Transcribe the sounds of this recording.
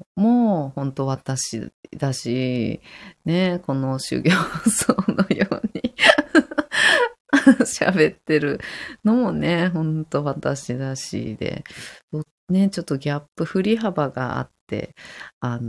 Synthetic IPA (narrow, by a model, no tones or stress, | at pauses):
mo̞ːhõ̞nt̪o̞βat̪aɕḭd̪̥aɕi | ne̞ko̞no̞ɕɨ̰ɡʲoːsoːno̞joːɲi | ɕa̰be̞t̪ːe̞ɾɯ̟no̞mo̞ne̞ɦõ̞nt̪o̞βat̪aɕid̪aɕḭd̪̥e̞̰d̪̥o | ne̞t͡ɕo̞t̪ːo̞ɡʲapːɯ̟ɸɯ̟ɾʲiɦabaɡa̰a̰t̪ːe̞̰an